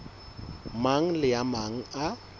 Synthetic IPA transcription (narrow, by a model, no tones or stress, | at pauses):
maŋ̩lɪjamaŋ̩a